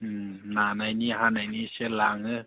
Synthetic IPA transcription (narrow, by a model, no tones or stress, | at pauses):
nanajniɦanajniselaŋɯ